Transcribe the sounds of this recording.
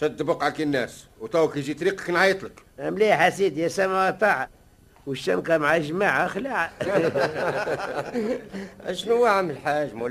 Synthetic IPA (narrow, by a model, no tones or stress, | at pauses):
ʃæd̪ːbəqʕakinːæswt̪æwkiʒit̪ɾiqkinʕajt̪ˤləkʔæmliħasid̪jæsæmawt̪ˤɑʕa | wəʃːænqɑmʕaʒmaʕaxlaʕa | æʃnuwaʕaməlħaʒmu